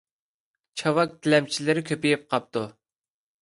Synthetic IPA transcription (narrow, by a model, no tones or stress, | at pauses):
t͡ʃʰɑwɑk̚t̪ʰɪlɛmt͡ʃʰilɪɾɪkʲʰøpijip̚qʰɑp̚t̪u